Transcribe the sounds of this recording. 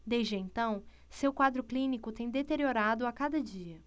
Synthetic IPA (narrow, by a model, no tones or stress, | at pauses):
d̪ejzd͡ʒɪẽnt̪ɐ̃w̃ | sewkwad̪ɾʊklĩnikʊt̪ẽj̃d̪et̪eɾioɾad̪ʊakad̪ɐd͡ʒiɐ